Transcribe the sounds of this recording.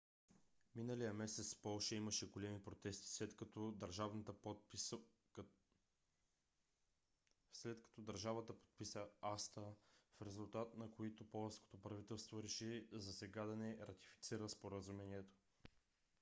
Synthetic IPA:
minəlijəmɛsɛt̪sfpɔlˠʃɐiməʃɛɡolɛmipɾot̪ɛst̪i̥ | vnt̪ | slɛt̪kɐ̥t̪ɔd̪ɐɾʒavət̪əpo̥t̪̚pisəast̪əfɾɛzulˠt̪at̪nɐkoit̪opɔlˠəfsko̥t̪opɾɐvit̪ɛlˠst̪voɾɛʃizɐsɛɡad̪ɐnɛɾɐt̪i̥fi̥t̪siɾəspoɾəzumɛniɛt̪o̥

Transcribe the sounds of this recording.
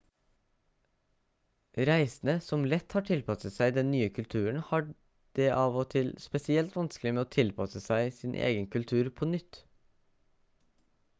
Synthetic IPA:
ɾæɪsn̩əsɔmlɛt̪hɑːʈʰɪlpʰɑsəsæɪd̪ɛnnyːəkʰʉlt̪ʰʉːəɳhɑː | ɖ̥eːʔɑːʋoːt̪ʰɪlspɛsɪɛlt̪ʋɑnsklɪmeːoːt̪ʰɪlpʰɑsəsæɪsɪːnʔḛːɡənkʉlt̪ʰʉːɾpʰɔnʏt̪

